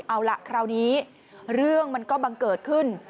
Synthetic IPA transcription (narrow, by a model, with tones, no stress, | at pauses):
ʔa˧wla̰˦˥ʔkʰɾaː˧wniː˦˥ | ɾɯ˥˩əŋma˧nkɔː˥˩ba˧ŋkɤː˨˩t̪̚kʰɯ˥˩n